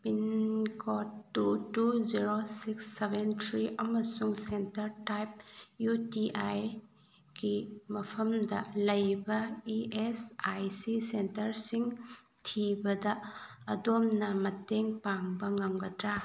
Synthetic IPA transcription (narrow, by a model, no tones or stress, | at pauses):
pinkʰotːutuziɾosiksːebentʰɾiʔɐmɐsuŋsentɐɾtajp̚jutiʔaj | ɡimɐpʰɐmdɐ̰lɐjbɐiesajsisentɐɾsiŋ | tʰibɐdɐːdomnɐmɐteŋpaŋbɐŋɐmɡɐtɾa